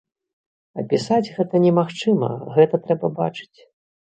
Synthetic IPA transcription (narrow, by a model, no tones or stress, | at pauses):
ɐ̰pʲisad͡zʲɣɛt̪ɐnʲɛmaxt͡ʂɨmɐ̰ɣɛt̪ɐt̪ɾɛbɐbat͡ʂɨ̥t͡sʲ